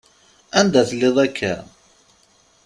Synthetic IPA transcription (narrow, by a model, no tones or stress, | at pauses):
ænd̪æθəlːeðˤækʰːæ